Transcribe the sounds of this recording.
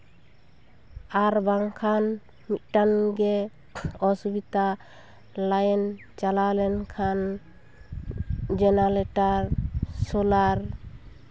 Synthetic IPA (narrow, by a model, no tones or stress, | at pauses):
aɾbaŋkʰan | mit̪̚ʈanɡɛ | ɔsubit̪a | lajɛn | t͡ʃalalɛnkʰan | d͡ʒɛnalɛʈaɾsɔlaɾ